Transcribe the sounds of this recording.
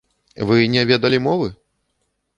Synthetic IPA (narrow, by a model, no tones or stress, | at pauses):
vɨnʲɛvʲɛd̪ɐlʲimɔvɨ